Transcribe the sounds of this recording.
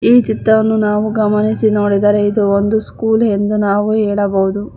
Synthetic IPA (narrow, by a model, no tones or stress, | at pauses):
iːt͡ʃit̪ːɾɐʋɐnːunaːʋuɡɐmɐnisinoːɽid̪ɐɾe̞id̪uond̪uskuːlɦend̪unaːʋuɦɛːɭɐbɐɦud̪u